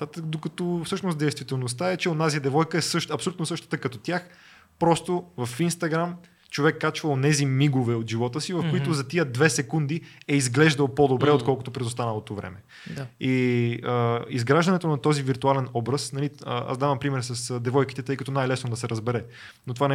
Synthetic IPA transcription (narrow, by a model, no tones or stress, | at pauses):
at̪əd̪okɐt̪ofsɤʃnosd̪ɛjst̪vʲit̪ɛlˠnost̪aɛt͡ʃɛonaziəd̪ɛvɔjkəɛsɤʃt̪ɐpsolʲut̪nosɤʃt̪o̥t̪əkɐt̪ot̪ʲjax | pɾɔst̪ovɐfinst̪ɐɡɾam | t͡ʃovɛkːat͡ʃvəonɛzimiɡovɛot̪ʒivɔt̪əsivɐfkoit̪ozɐt̪iəd̪vɛsɛkund̪iɛizɡlɛʒd̪əlˠpod̪obɾɛot̪kɔlˠkot̪opɾɛd̪ost̪anəlˠot̪ovɾɛ̰mɛ | iəizɡɾaʒd̪ɐnɛt̪onɐt̪ɔziviɾt̪ualɛnɔbɾəsnɐlia̰szd̪avɐmpɾimɛɾsɐsd̪ɛvɔjki̥t̪ɛt̪ɤjkɐt̪ɔnajlɛsnod̪ɐsɛɾəzbɛɾɛ | not̪ovanɛ